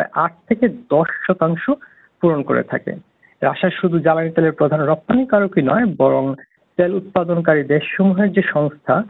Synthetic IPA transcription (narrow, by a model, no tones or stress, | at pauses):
eʔaʈ̚t̪ʰeked̪ɔʃʃɔt̪aŋʃo | puɾonko̰ɾḛt̪ʰa̰kḛ | ɾaʃaʃud̪ʱud͡ʑalanit̪eleɾpɾod̪ʱanɾɔp̚t̪anikaɾokinɔ̰ebɔɾoŋ | t̪elut̪̚pad̪onkaɾid̪eʃːomuɦeɾd͡ʑeʃɔŋst̪ʰa